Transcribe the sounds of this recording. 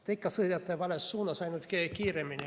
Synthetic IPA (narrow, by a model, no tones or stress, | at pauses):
t̪ekːɑsɨj̪ɑt̪ːeʋɑlesːuːnɑsɑinut̪kekiːremːinʲi